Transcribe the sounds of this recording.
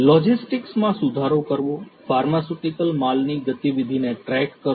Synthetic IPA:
lɔd͡ʒisʈɪksmãsʊd̪ʱaɾokəɾʋõfaɾmasuʈikəlmalniɡət̪iʋid̪ʱineʈɾɛkkːəɾ

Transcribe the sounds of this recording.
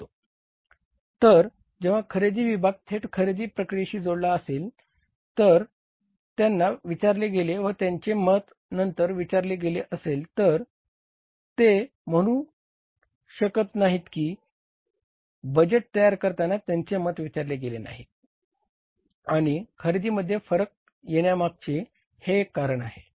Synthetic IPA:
t̪o | t̪əɾ | d͡ʑeʋ̤akʰəɾed͡ziːʋibʱaɡ̚t̪ʰeʈkʰəɾed͡ʑiːpɾəkɾijeɕiːd͡zoɽlaəsel | t̪əɾ | t̪janːaʋit͡ɕaɾleɡeleʋət̪jaɲt͡ɕemət̪ | nənt̪əɾʋit͡ɕaɾleɡeleʔəselt̪əɾ | t̪e | m̤əɽ̃ũː | ɕəkət̪naɦit̪kiː | bəd͡ʑeʈ̚t̪əjaɾkəɾt̪anat̪jaɲt͡semət̪ʋit͡ɕaɾleɡelena̰ɦi | aɽ̃ikʰəɾid̪iːməd̪ʱːjefəɾək̚ | jeɽjamaɡ̚t͡ɕe | hekːaɾəɳ̃aɦe

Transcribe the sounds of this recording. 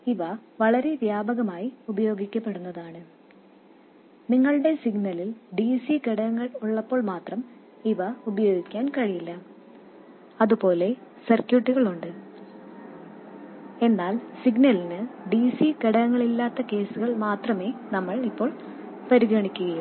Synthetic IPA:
iʋɐʋɐɭɐɾe̞ʋjaːbɐɣɐmaːjiubɐjo̞ːɡikʲːɐpːe̞ɽunːɐðaːɳɨ | niŋːɐɭɨɽe̞siɡnɐlilɖiːsikeɽɐɐŋːɐɭuɭːɐpːo̞ːɭmaːt̪rɐm | iʋɐubɐjo̞ːɡikʲːaːnkɐɻijilːɐ | ɐðupo̞ːle̞sɐrkjuʈːiɣɐɭuɳɖɨ | e̞nːaːlsiɡnɐlinɨɖiːsikeɽɐjɐŋːɐɭilːaːt̪ːɐke̞ːsuɣɐɭmaːt̪rɐme̞ːnɐmːɐɭipːo̞ːɭ | pɐɾiɣɐɳikʲːuɣɐju

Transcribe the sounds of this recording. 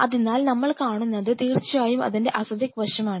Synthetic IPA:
ɐðinːaːlnɐmːɐɭkaːɳunːɐðɨt̪iːrt͡ɕːujaːjumɐ̰ðinde̞ʔɐsɐd͡ʑɐkːʋɐɕɐmaːɳɨ

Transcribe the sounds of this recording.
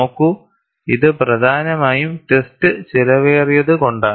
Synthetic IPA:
oːkːu | iðɨprɐd̪ʱaːnɐmaːjumʈestɨt͡ɕilɐʋeːrijɐðɨko̞ɳɖaː

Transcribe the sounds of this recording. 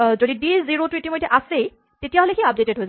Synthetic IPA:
zodidiziɹotuetimojdʰʱɛʔase | tetijaɦolexiap̚detedɦojza

